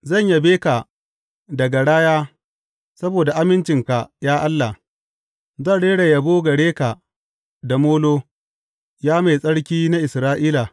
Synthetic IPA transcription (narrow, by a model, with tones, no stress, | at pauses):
zɐ˦˨ɲja˦beː˦ka˨ | dɐ˨ɡa˨ɽaː˦jaː˦ | sɐ˦boː˨da˨ʔa˦mɪ˦nt͡ʃɪ˨ŋka˨jaː˦ʔa˦lːa˨ | zɐ˦˨nɽeː˦ɽa˨jɐ˨boː˦ɡɐ˨ɽeː˦ka˨ | da˨moː˦loː˦ | jaː˦ma˨jsʼɐ˦ɽkʲiː˦na˦ʔɪ˨sɾaː˦ʔiː˦la˨